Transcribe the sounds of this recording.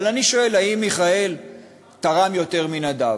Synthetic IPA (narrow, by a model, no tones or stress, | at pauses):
laniʃo̞e̞laimːiχae̞l | t̪aʁamjo̞te̞ʁminad̪a